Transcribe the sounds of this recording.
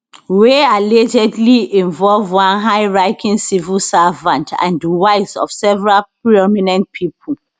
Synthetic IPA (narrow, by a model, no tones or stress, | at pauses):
wealɛd͡ʒɛdliĩɱvɔlvwãnɦaɪɹaɪkʰĩŋsivilsavãntʰã̰ndiwaɪsɔ̰fsɛvɛɹalpɹiɔminɛ̃nt̚pʰipʰə